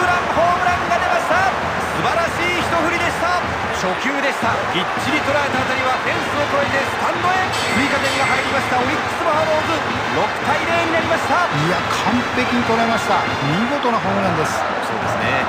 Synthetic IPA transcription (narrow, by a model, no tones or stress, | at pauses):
ɯɾãŋhoːbɯɾãŋɡad̪e̞maɕi̥t̪a | sɨbaɾaɕiːçi̥t̪o̞ɸɯ̟ɾʲid̪e̞ɕi̥t̪a | ɕo̞kʲɨːd̪e̞ɕi̥t̪a | ɡ̥ʲit͡ɕːiɾʲit̪o̞ɾaɾe̞t̪aːt̪aɾʲiβat̪ẽ̞ɰ̃sɨoko̞et̪est̪ãnːoe̞ | ɸɯ̟ɾʲikat̪emʲiɡaɦaeɾʲimaɕi̥t̪ao̞ikɨ̥sɨbahaɾoːzɨ | ɾo̞kɯ̟̥t̪aiɾe̞ːɲ̟inaɾʲimaɕi̥t̪aiakʰãmpe̞kʲiɲ̟it̪o̞ɾaemaɕi̥t̪a | iɡo̞t̪o̞naɦoːmɯ̟ɾãnd̪e̞sɨ̥ | so̞̰ːd̪esɨnḛ